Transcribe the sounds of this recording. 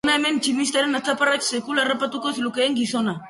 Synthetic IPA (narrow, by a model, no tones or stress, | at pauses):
naeme̞nt͡ʃimist̪aɾenat͡saparaksekularapat̪ukoslukeːŋɡiso̞na